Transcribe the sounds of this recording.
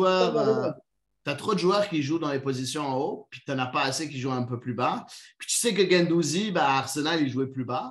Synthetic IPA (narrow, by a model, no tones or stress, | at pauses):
waba | t̪yat̪χod̪əʒwœːʁkʲiʒud̪ɑ̃lepozisjɔ̃ɑ̃opɥit̪ɑ̃napaːsekʲiʒuɛ̃pøplybapi̥t̪y̥sɛk̬əɡɛ̃nd̪uzibaːʁsənalilʒuɛplyba